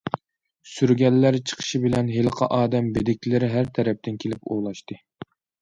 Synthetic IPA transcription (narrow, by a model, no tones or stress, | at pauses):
syɾɡʲɛlːæɾt͡ʃʰə̥qʰə̥ʃibɪlɛnɦelˠəqʰɑʔɑːd̪ɛmbed̪ɪkʲlɪɾɪɦæɾt̪ʰɛɾɛp̚t̪ɪnkʲʰelɪpolˠɑʃt̪ɨ